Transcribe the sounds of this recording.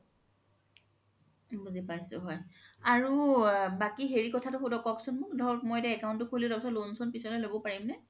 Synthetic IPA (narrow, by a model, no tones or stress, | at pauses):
buzipajsʊ̰ɦɔjaɹubakiɦeɹikɔtʰatʊxudɔkɔksʊnmʊkdʱɔkmɔjdɛɛkaʊntʊkʰolidɔpsɔlonsɔnpisɔlɔlobɔpaɹimnɛ